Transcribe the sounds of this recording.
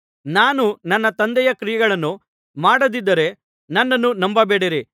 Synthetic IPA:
naːnunɐnːɐt̪ɐnd̪ɛjɐkɾijɛɡɐɭɐnːu | maːɽɐd̪id̪ːɐɾe̞ | nɐnːɐnːunɐmbɐbeːɽeɾi

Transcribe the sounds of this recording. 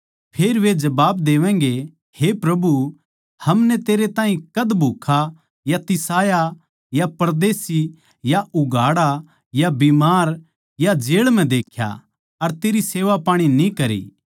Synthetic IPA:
pʰeːɾʋed͡ʒɐbaːbd̪eːʋɛ̃ːŋ̆ɡe | hepɾɐbu | hɐmnɛt̪eːɾet̪ãːɦĩkɐd̪bʱuːkʰa | jat̪ɪsaːja | japɐɾd̪eːsi | jaʊɡʱaːɽa | jabimaːɾ | jad͡ʒeːɭm̤ɛ̃d̪eːkʰja̰ | ɐɾt̪eːɾiseːʋapaːɽ̃inĩkɐɾḭː

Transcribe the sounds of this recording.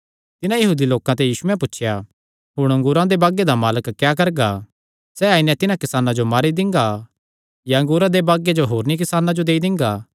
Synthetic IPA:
t̪ɪnãjɐɦuːd̪iloːkãt̪̬ɛjiːsuɛ̃p̬ʊtːt͡ʃʰja | ɦʊɽ̃ɐ̃ŋɡʊɾãd̪ebaːɡed̪amaːləkkːjaːkɐɾɡa | sɛaːinɛ̃t̪ɪnãkɪsaːnãd͡ʒomaːɾid̪ɪ̃ŋɡa | jaɐ̃ŋɡʊːɾãd̪ebaːɡed͡ʒoɦoːɾnik̬ɪsaːnãd͡ʒod̪eːid̪ɪ̃ŋɡaː

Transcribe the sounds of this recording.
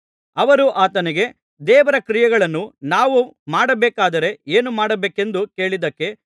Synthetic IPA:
ɐʋɐɾuʔaːt̪ɐnɛɡe̞ | d̪ɛːʋɐɾɐkɾijɐɡɐɭɐnːunaːʋumaːɽɐbɛːkaːd̪ɐɾe̞eːnumaːɽɐbeːke̞nd̪uke̞ːɭid̪ɐkːe̞

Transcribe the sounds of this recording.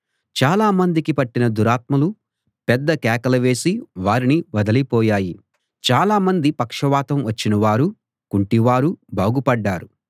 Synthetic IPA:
t͡ʃaːlaːmɐnd̪ikipɐʈːinɐd̪uɾaːt̪mɐlu | pɛd̪ːɐkɛːkɐlɐʋe̞ːsiʋaːɾiniʋɐd̪ɐlipɔːjaːji | t͡ʃaːlaːmɐnd̪ipɐkʂɐʋaːt̪ɐmʋɐt͡ʃːinɐʋaːɾu | kuɳʈiʋaːɾubaːɡupɐɖːaːɾu

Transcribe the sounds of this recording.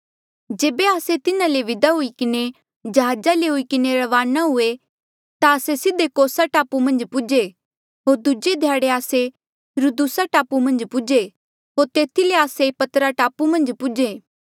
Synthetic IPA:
d͡ʒeːbeaːset̪ɪnãleʋɪd̪aɦʊikɪne | d͡ʒɐɦaːd͡ʒaleɦʊikɪneɾɐʋaːnaɦʊe | t̪aɐsesɪd̪ːekoːsaʈaːpumɐ̃nd͡ʒpʊd͡ʒe | ɦoːɾd̪ʊd͡ʒed̪ʱjaːɽeaːse | ɾud̪usaʈaːpumɐ̃nd͡ʒpʊd͡ʒe | ɦoːɾt̪eːt̪ʰileaːsepɐt̪əɾaʈaːpumɐ̃nd͡ʒpʊd͡ʒeː

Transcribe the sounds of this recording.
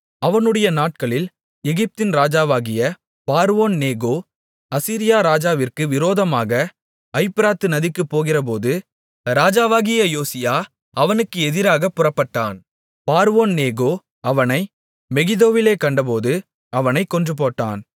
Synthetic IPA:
ɐʋɐnɯɽɐjɐnaːʈ̚kɐɭɪl | ɛɣɪp̚t̪ɪnɾaːd͡ʒaːʋaːɣɪjɐ | paːɾʋoːnneːɣoː | ɐsiːɾɪjaːɾaːd͡ʒaːʋɪrkɯʋɪɾoːðɐmaːɣɐ | ɐɪpːɪɾaːt̪ɯnɐðɪkːɯpːoːɣɪrɐp̬oːðɯ | ɾaːd͡ʒaːʋaːɣɪjɐjoːsɪjaː | ɐʋɐnɯkːɯɛðɪɾaːɣɐpːʊrɐpːɐʈːa̰ːn | paːɾoːnneːɣoː | ɐʋɐnɐɪ | mɛɣɪðoːʋɪleːkɐɳɖɐp̬oːðɯ | ɐʋɐnɐɪkːɔndrɯp̬oːʈːa̰ːn

